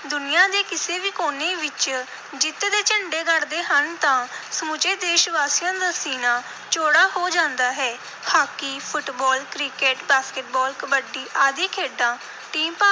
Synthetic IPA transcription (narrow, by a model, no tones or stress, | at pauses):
d̪ʊnɪjãːd̪eːkɪseːʋiːkoːneːʋɪt͡ʃ | d͡ʒɪt̪ed̪eːt͡ʃəɳɖeːɡəɾd̪eːɦənt̪ãːsəmʊt͡ʃeːd̪eːʃʋaːsijãːd̪aːsiːnãː | t͡ʃoːɽaːɦoːd͡ʒãːnd̪aːɦɛː | haːkiːpʰʊʈbɔːlkɾɪkeːʈbaːskəʈ̚bɔːlkəbəɖiːʔaːd̪eːkʰeːɖãː | ʈiːmpa